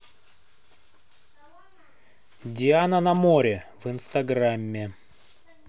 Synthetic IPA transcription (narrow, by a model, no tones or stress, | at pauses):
dʲɪanənɐmoɾʲɪvɨnst̪ɐɡramʲːɪ